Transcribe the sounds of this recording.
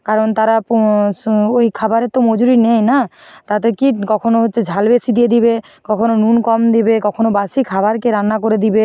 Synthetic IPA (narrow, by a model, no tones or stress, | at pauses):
kaɾont̪aɾap | ojkʰabaɾet̪omod͡ʑuɾinejnat̪at̪ekikɔkʰonoɦotːʃʰed͡ʑʱalbesid̪ijed̪ibe | kɔkʰononunkɔmd̪ibekɔkʰonobasikʰabaɾkeɾanːakoɾed̪ibe